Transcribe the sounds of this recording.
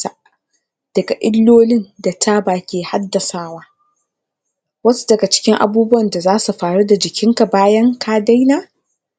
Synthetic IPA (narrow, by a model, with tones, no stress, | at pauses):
a˨ | d̥ɐ˨ɡa˨ʔɪ˦lːoː˦lɪ˦nda˨tʰaː˦baː˨kʲeː˨ha˦dːɐ˨saː˦waː˦ | wɐ˦su̥˦dɐ˨ɡa˨t͡ʃɪ̥˦kʲɪ˦ŋʔa̰˨buː˦bʊ˦wɐ˨nda˨zaː˦su˨ɸaː˨ɽu˦da˨d͡ʒɪ˨kʲʰɪ˦ŋka˨baː˦jɐ˦ŋkʰaː˦da˦jnaː˦